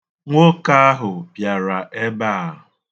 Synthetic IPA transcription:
ŋʷo˦ka˦a˦ɦʊ˨pja˨ɾa˨ʔe˦ba˦˨

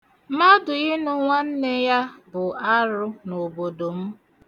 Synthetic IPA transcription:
ma˦dʊ˨ɣɪ˦nʊ˦ŋʷa˦n̩˦ne˦ja˦bʊ˨a˦ɾʊ˦no˨bo˨do˨m̩˦

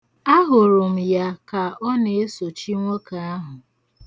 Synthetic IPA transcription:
a˦ɦʊ˨ɾʊ˨m̩˨ja˦ka˨ɔ˦ne˨e˦so˨t͡ʃi˦ŋʷo˦ka˨a˦ɦʊ˨

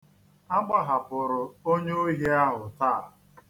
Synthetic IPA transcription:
a˦ɡ͡ba˨ɦa˨pʊ˨ɾʊ˨o˦ɲe˦o˦ɦje˦a˦ɦʊ˨taː˦˨

